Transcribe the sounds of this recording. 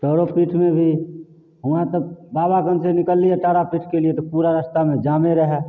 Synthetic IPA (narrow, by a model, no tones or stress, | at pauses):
ʈəɾopiʈʰmebʱi | ɦʊãt̪əbaːbakənsenɪkəlːijeʈaːɾapiʈʰkeliet̪ɔpuɾaɾəst̪amẽd͡ʒaːmeɾəɦɛ